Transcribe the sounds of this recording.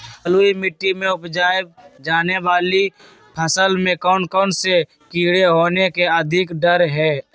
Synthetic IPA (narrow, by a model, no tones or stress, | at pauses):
əluːimɪʈːimẽʊpd͡ʒaːɪb̚d͡ʒaːneʋaːli | pʰəsəlmẽkɔːnkɔːnse | kiːɽeɦoːnekeəd̪ʱɪkɖəɾɦɛː